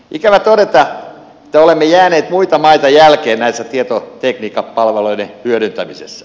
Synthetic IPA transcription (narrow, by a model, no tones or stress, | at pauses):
ʔikæʋæt̪odet̪ɑ | ĕ̥t̪ːæolemːejæːneːt̪muit̪ɑmɑit̪ɑjælkeːnnæisːæt̪iet̪ot̪ekniːkɑpɑlʋeloidehyøɾynt̪æmisḛsːæ̥